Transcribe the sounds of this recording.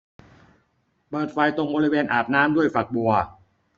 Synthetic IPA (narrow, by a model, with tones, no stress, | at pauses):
pɤː˨˩t̪̚fa˧jt̪o˧ŋbɔː˧ɾi˦˥weː˧nʔaː˨˩p̚naː˦˥mdu˥˩əjfa˨˩k̚bu˧ɐ